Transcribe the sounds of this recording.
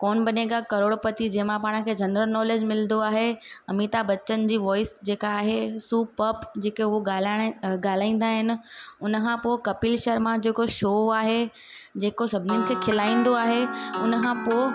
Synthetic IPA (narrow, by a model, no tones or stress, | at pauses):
koːnbɐneɡakɐɾoːɽpɐt̪id͡ʑɐ̃ɦɪ̃mãpaːɽ̃̆kʰeːd͡ʑɐnɾəɾnɔːleːd͡ʑmɪlənd̪oaːɦeɐmit̪abɐt͡ɕːənd͡ʑiːʋɔːɪsd͡ʑeːkaːɦesuːpɐpd͡ʑeːkeʊɦoɡalɡaːl̤aːĩːn̆d̪aːɦɪnɪ̆ʊnəkʰãpoːɪkɐpɪlʃəɾmãd͡ʑeːkoʃoːaːɦe | d͡ʑeːkosɐbʱɪniunɪkʰeːkʰɪlaːĩːn̆d̪oaːɦeʊnəkʰãpo